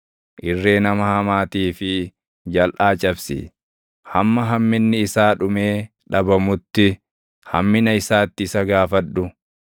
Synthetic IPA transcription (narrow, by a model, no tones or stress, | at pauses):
ʔɪrːe̞ːnɐmɐhɐmaːt̪iːfɪ | d͡ʒɐlʔaːt͡ʃʼɐbsɪ̰ | hɐmːɐɦɐmːɪnːɪɪsaːᶑʊme̞ː | ᶑɐbɐmʊt̪ːɪ | hɐ̰mːɪnɐɪsaːt̪ːɪsɐɡaːfɐᶑːʊ